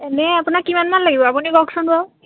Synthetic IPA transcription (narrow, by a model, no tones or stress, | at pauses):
ɛnɛapunakːimanmanlaɡibɔapuniɡɔksɔnbɔ